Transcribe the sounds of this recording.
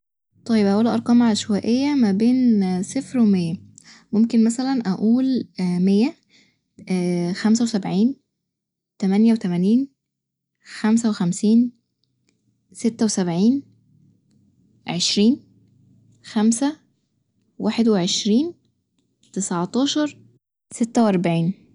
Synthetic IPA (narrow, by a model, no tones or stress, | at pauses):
t̪ˤɑjebʔæʔuːlæʔɑɾˤqɑːmʕalæʃwæːʔejːæmæbeːnsefɾwemejːæmomkenmæsælænʔæʔuːlmejːæ | xæmsæwesæbʕiːn | t̪æmænjæwet̪æmæniːn | xæms̬æwexæmsiːn | set̪ːæwesæbʕiːn | ʕeʃɾiːn | xæmsæ | wʔaːħed̪weʕeʃɾiːn | t̪esʕt̪ˤɑːʃɑɾˤ | set̪ːæweʔɑɾˤbaʕiːn